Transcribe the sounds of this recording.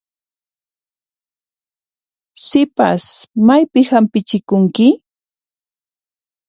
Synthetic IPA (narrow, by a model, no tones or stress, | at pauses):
sɪpa̰smajpɪhampɪt͡ʃɪkʊŋkɪ